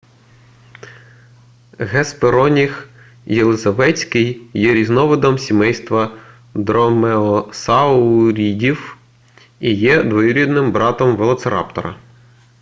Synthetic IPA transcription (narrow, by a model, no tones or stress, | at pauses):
ɦɛspeɾɔnʲix | jelˠezɐʋɛt͡sʲkɪjːɛɾʲiznɔʋɪd̪ɔmsʲimɛjst̪ʋɐ | d̪ɾɔmeɔsɑʊɾʲidʲiw | ijɛd̪ʋɔjʊɾʲid̪nɪmbɾɑt̪ɔmʋelˠɔtseɾɑ̰pt̪ɔ̰ɾɐ̰